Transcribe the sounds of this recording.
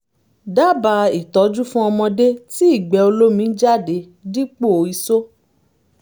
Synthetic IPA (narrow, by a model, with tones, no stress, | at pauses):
da˦˨ba˧i˨tɔ˨˦d͡ʒu˦fũ˦ɔ˧mɔ̃˧de˦ti˦i˦˨ɡ͡bɛ˨˦o˧lo˦mĩ˨˦d͡ʒa˦˨de˨˦ | di˦k͡po˦˨o˨˦i˧so˦